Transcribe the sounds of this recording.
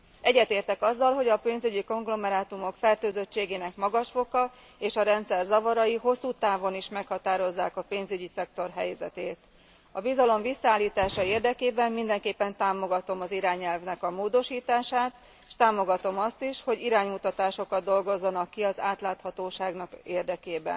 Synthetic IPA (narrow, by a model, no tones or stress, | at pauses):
ɛɟːɛt̪eːrt̪ɛkɒzːɒlɦo̞ɟɒpeːnzyɟiko̞ŋɡlo̞mɛɾaːt̪umo̞kfɛrt̪øːzøt͡ʃːeːɡeːnɛkmɒɡɒʃfo̞kɒ | eːʃɒɾɛnt̪sɛrzɒvɒɾɒjiɦo̞sːuːt̪aːvo̞niʃmɛkhɒt̪aːɾo̞zːaːkɒpeːnzyɟisɛkt̪o̞rɦɛ̰jzɛ̰t̪eːt̪ | ɒvizɒlo̞ɱvisːɒaːlːiːt̪aːʃɒeːrd̪ɛkeːbɛmːind̪ɛŋkeːpːɛnt̪aːmo̞ɡɒt̪o̞mɒziɾaːɲɛlvnɛkɒmoːd̪o̞ʃiːt̪aːʃaːt̪ | ʃt̪aːmo̞ɡɒt̪o̞mɒst̪iʃho̞ɟiɾaːɲmut̪ɒt̪aːʃo̞kɒd̪dːo̞lɡo̞zːɒnɒkːiɒzaːt̪laːt̪hɒt̪oːʃaːɡnɒkeːrd̪ɛkeːbɛ̰n